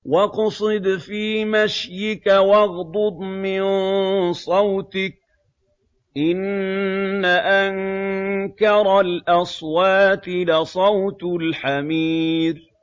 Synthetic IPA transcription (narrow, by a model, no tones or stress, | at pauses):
wɑqsˤɨd̪fiːmaʃjɪkawɑɣd̪ˤʊd̪ˤmɪnsˤɑwt̪ɪk̚ | ʔɪnː | aʔaŋ | kɑɾˤlʔɑswaːt̪ɪlɪsˤɑwt̪lħamiːɾ